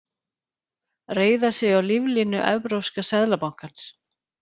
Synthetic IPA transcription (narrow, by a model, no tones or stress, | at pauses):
reːjðasɪɣawlivlinʏʔɛ̰vpɾowskasɛðlapawŋ̥kans